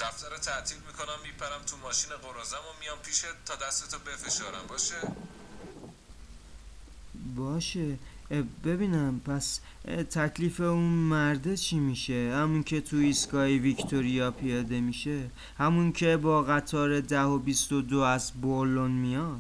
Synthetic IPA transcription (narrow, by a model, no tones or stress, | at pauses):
d̪̥æft̪æɾot̪ʰæʔt̪ʰilmiːkʰo̞næmːiːpʰæɾæmt̪ʰumɒːʃiːneɣoɾɒzæmomijɒːmpʰiːʃet̪ʰɒːd̪æst̪et̪ʰobe̞fe̞ʃɒːɾæ̰mbɒːʃe | bɒːʃe̞ | be̞biːnæmpʰæs | t̪ʰæcʰliːfeunmæɾd̪et͡ʃʰiːmiːʃe̞hæmuncʰe̞t̪ʰuiskɒːjivict̪ʰoɾijɒpʰijɒːd̪e̞miːʃe̞ | hæmuncʰe̞bɒːɣæt̪ʰɒːɾe̞d̪æho̞bist̪o̞d̪oæzbolonmijɒd̪̥